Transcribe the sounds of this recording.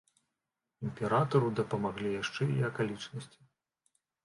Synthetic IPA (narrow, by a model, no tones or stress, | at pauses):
imʲpʲɛɾat̪ɐɾud̪ɐpɐmaɣlʲijaʂt͡ʂɛiɐkalʲit͡ʂnɐsʲt͡sʲi